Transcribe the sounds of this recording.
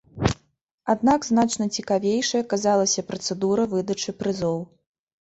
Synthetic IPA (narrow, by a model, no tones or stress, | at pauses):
ad̪̚naɡznat͡ʂnɐt͡sʲikavʲejʂɐjɐkazalˠɐsʲɐpɾɐt̪sɛd̪uɾɐvɨd̪ɐt͡ʂɨpɾɨzɔw